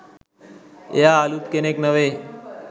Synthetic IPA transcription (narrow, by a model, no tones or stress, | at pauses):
ḛjaːlut̪keneknəʋeː